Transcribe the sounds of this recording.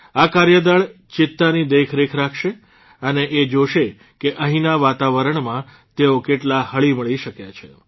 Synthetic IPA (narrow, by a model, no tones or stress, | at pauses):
akaɾjəd̪əɭt͡ʃɪt̪ːanid̪ekʰɾekʰɾakʰʃe | əneʔed͡ʒoʃe | keʔə̃ɦĩnaʋat̪aʋəɾəɳmã | t̪eokeʈlahəɭiməɭiʃəkjat͡ʃʰḛ